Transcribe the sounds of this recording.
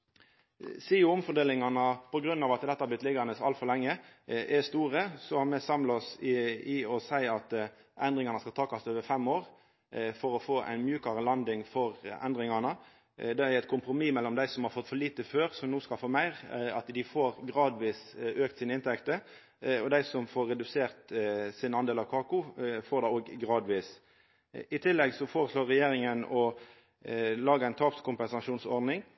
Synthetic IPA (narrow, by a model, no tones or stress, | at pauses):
siːʊʊmfɔɾd̪eːlɪŋɑnəpʰɔɡɾʉnːɑːʋɑt̪d̪ɛt̪əhɑːblɪt̪lɪɡɑnəsɑlt̪fɔɾlɛŋːəʔɛst̪uːʁəsɔhɑmɛsɑmlɔsɪɔsæɪɑt̪ʔɛnd̪ʁɪŋɑnəskɑlt̪ʰɑːkɑst̪øːʋəfɛmoːʁ | fɔɾɔfoːʔæ̰ɪnmjʉːkɑʁəlɑnd̪ɪŋfɔʁæ̰nd̪ɾɪŋɑnə | d̪ɛæɾɛt̪̚kʰʊmpɾʊmiːmɛlːɔmd̪æɪsɔmhɑːɾfɔt̪fɔliːt̪əføːʁsɔmnuːskɑlfoːmæɪʁɑt̪d̪ɪfoːʁɡʁɑːd̪ʋiːsøːk̚t̪siːnəɪnt̪ʰɛkt̪ə | ɔd̪æɪsɔmfoːɾːɛd̪ʉseːʁt̪sɪnɑnd̪eːlɑʋkʰɑːkʊfoːɾd̪æoːɡɡɾɑːd̪ʋiːs | ɪt̪ʰɪlːɛɡsɔfoːɾəsloːʁːɛjeːɾɪŋənɔ | lɑːɡəæɪnt̪ʰɑːpskʰʊmpɛnsɑʃuːnsɔʁd̪nɪŋ